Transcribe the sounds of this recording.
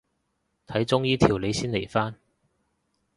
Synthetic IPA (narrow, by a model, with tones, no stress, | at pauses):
t̪ʰɐ˨˥jt͡sʊ˥ŋjiː˥t̪ʰiː˨˩wle˨˧jsiː˥nle˨˩jfaː˥n